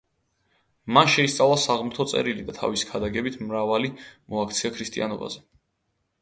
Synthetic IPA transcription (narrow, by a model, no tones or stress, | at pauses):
manʃɛist̪sʼavlˠasaʁmut̪ʰɔt̪sʼɛ̰ɾilid̪at̪ʰa̰visi̥kʰad̪aɡɛbit̪ʰmɾavalimɔakʰt̪sʰiakʰɾist̪ʼḭa̰nɔba̰zɛ